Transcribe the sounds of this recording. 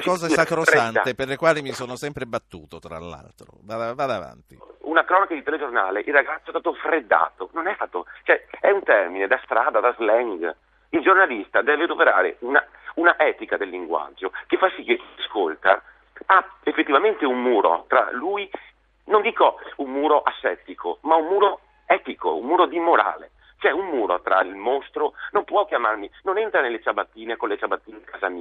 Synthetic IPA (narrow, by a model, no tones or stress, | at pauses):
kɔːzasakɾoanat̪eperlekwaːlimisoːnosɛmpɾebat̪ːuːt̪ot̪ɾa̰lːa̰lt̪ɾo̰vaːd̪avaːd̪ava̰nt̪iunakɾɔːnakad̪it̪eled͡ʒornaːleʔirːaɡat̪soɛst̪aːt̪ofɾed̪ːa̰ːt̪ononɛst̪aːt̪ot͡ʃoɛɛunt̪ɛrmined̪ast̪ɾaːd̪ad̪azlɛŋɡ | ild͡ʒornalist̪ad̪ɛːved̪opeɾa̰ːɾḛuna | unaʔɛːt̪ikad̪elːiŋɡwa̰d͡ʒːokefːasːikːekːiaskolt̪a̰ | aefːet̪ːivament̪eummuːɾo̰t̪ɾa̰luːi | nond̪iːkoummuːɾoʔasːɛ̰t̪ikʰo̰maummuːɾo | ɛt̪iko̰ummuːɾod̪imoɾa̰ːle | t͡ʃɛummuːɾo̰t̪ɾa̰ilmost̪ɾonompwɔk̟jamarminonɛnt̪ɾanelːet͡ʃabat̪ːiːnekonlet͡ʃabat̪ːiːneikʰazamiː